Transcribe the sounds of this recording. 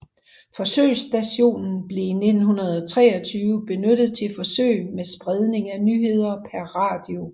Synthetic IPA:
fɒ̽sø̰ɪ̰sd̥æɕo̝̰ːnn̩b̥le̝ine̝d̥n̩ɦunɐð̞ˠɒ̽t͡sʰʁɛ̰ːɒt͡sʰyːʊəb̥e̝nød̥ð̞̩ˠt͡sʰe̝lfɒ̽sø̰ɪ̰mesb̥ʁɛð̞ˠne̝ŋænyɦe̝ð̞̰ˠɐpʰæɐʁɑ̈ːd̥io̝

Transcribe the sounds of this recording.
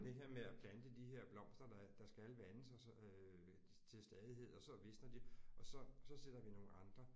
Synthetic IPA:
d̥e̝ɦe̝ɐ̰meæpʰlænd̥əd̥iɦe̝ɐ̰b̥lɒ̽m̰sd̥ʁɐd̥ɑ̈d̥ɑ̈sɡ̥ælʋænəsɒ | t͡sʰe̝lsd̥ɛːðˠiɦe̝ð̞̰ˠɒ̽sɒ̽ʋe̝snɐd̥iɒ̽sɒ̽sɒ̽se̝d̥ɐʋino̝ːn̩ɑ̈nd̥ʁɐ

